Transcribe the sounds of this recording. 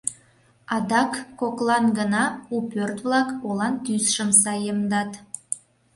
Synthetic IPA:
ɑd̪ɑkːoklˠɑnɡənɑupørt̪vlɑkolɑnt̪ysʃəmsɑjəmd̪ɑt̪

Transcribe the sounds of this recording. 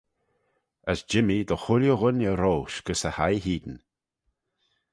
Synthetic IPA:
əsd͡ʒɪmid̪əxʊlʲjuɣʊnəɾoːʃɡ̥əsəhajɦiːd̪n̩

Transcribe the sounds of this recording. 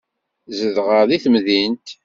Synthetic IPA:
zəðʁəðiθmðint̪

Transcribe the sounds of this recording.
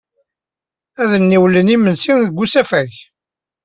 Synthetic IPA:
æðənːiwlənimənsinðəɡʷːusæfæʝ

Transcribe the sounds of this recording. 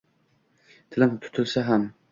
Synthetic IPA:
t̪ʰɪlɪmt̪ʰʊ̥t̪ʰɪlsaɦam

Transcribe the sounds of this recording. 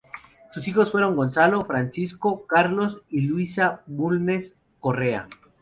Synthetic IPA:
susixo̞sfwe̞ɾo̞ŋɡo̞nsalo̞fɾansiskokaɾlo̞silwisaβulne̞s | ko̞rea̰

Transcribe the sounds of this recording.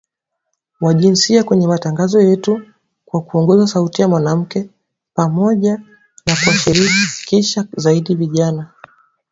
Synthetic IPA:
waʄinsiakwɛɲɛmataŋɡazɔjɛtu | kwakuɔŋɡɔzasautijamwanam̩kɛ | pamɔʄa | nakuaʃiɾikikiʃazaiɗiviʄana

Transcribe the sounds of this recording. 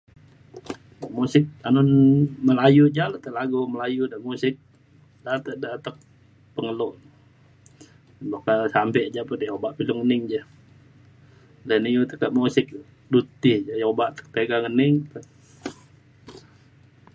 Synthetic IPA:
amusɪk̪̚anʊnməlajud͡ʒalat̪əlaɡuməlajudamusɪk̚ | dat̪əʔdat̪ək̚ | pəŋəloʔ | bakasampɛʔd͡ʒapət̪jabaʔpilʊŋənɪŋd͡ʒa | dɛnijut̪əkəʔmusɪk̚ | dut̪ɪhd͡ʒajobaʔt̪ə̥k̚t̪eɡaŋənɪŋt̪ə

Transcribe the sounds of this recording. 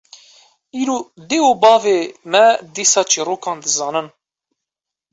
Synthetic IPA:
iːɾod̪eːoːbɑːveːmɛd̪iːsɑːt͡ʃiːroːkʰɑ̃ːnd̪ɨzɑːnɨn

